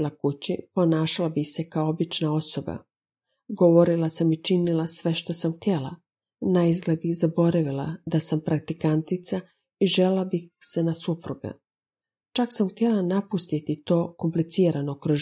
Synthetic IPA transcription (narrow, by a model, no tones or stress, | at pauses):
lakut͡ɕipo̞naːʃalabixse̞kaoobit͡ʃnao̞so̞ba̰ | ɡo̞ʋo̞ɾilˠasamit͡ʃinilasʋe̞ʃt̪o̞samxt̪je̞la̰ | najzɡlebixzabo̞ɾaʋila̰d̪asampɾak̚t̪ikant̪it̪sa | iʒelelabixse̞nasupɾuɡa̰ | t͡ʃaksamxt̪je̞lanapust̪it̪it̪o̞ːko̞mplit̪siːɾano̞kɾo